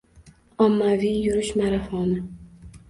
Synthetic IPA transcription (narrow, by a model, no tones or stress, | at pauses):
ɒmːavijʊɾɪʃmaɾafɒnɪ